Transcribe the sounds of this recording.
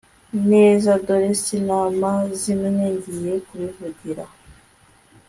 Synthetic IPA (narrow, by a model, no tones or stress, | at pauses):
nezadoɾesinamazinuneɲɟijekuβivuɟiɾa